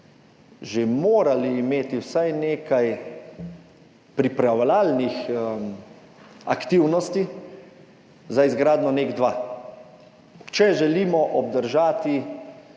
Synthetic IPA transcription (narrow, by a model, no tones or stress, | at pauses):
ʒemoːɾaliːmeːt̪iwsajneːkaj | pɾipɾawlaːlnix | a̰kt̪iwnɔst̪i | zaizɡɾaːd̪nɔneːɡd̪ʋaː | t͡ʃɛʒɛliːmɔʔɔbd̪əɾʒaːt̪i